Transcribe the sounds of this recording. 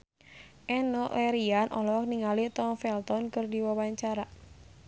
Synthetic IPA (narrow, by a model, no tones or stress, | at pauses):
ʔɛnɔlʔɛɾianʔɔlɔk̚niŋalit̪ɔŋfɛlt̪ɔnkɨrdiwawaɲt͡ʃaɾa